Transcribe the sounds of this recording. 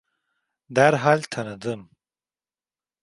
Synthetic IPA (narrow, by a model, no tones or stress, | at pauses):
d̪æɾɦalʲt̪ʰanɯd̪ɯm